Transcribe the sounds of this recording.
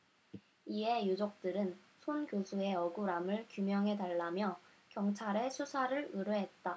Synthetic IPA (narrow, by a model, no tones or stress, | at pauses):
ie̞jud͡ʑok̚t͈ɯɾɯn | sʰonkjod͡ʑʰue̞ʌɡuɾamɯɭkjumjʌŋɦe̞taɭːamjʌ | kjʌŋt͡ɕʰaɾe̞sʰusʰaɾɯɭɯɾɯɦe̞t̚t͈a